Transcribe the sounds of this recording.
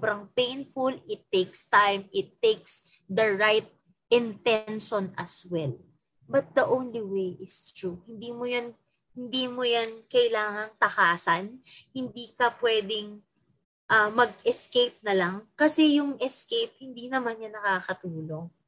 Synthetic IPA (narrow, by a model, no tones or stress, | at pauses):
bɾɐŋpẽjnfʊlʔɪt̪ːejkst̪ajmɪt̪ːejks | d̪ɐɹajt̪̚ | ʔɪnt̪ɛnʃonɐ̰swɛl | bɐt̪̚d̪ɐʔõwnliwejʔɪst̪ɹuhɪnd̪iːmojan | hɪnd̪iːmojankɐɪlaːŋɐŋt̪ɐkaːsɐnhɪnd̪iːkɐpwɛːd̪ɪŋ | ʔɐmɐɡ̚ɛskejp̚nɐlɐŋkɐsɛjʊŋʔɛskejp̚hɪnd̪iːnɐmanɲɐnɐkaːkɐt̪uːlo̞ŋ